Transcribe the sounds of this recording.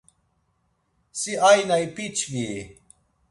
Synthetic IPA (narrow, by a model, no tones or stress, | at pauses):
siajnajpit͡ɕʰvi